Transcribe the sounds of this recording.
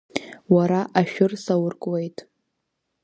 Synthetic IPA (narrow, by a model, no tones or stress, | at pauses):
waɾaʔaʃᶣʊrsawʊrkʼwejtʼ